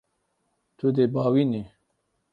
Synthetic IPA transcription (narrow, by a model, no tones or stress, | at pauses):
t̪ʰud̪ebaːwini